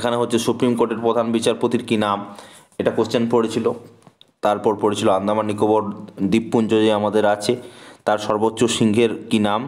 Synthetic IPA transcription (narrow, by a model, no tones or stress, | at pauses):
ekʰaneɦotːɕʰesupɾimkoɾʈeɾpɾod̪ʱanbit͡ɕaɾpot̪iɾkinam | eʈakost͡ɕanpoɽet͡ɕʰilot̪aɾpɔɾpoɽet͡ɕʰiloand̪ʱamanːikoboɾd̪ipːund͡ʑod͡ʑiamad̪eɾat͡ɕʰet̪aɾʃɔɾbotːɕoʃiŋɡʱeɾkinam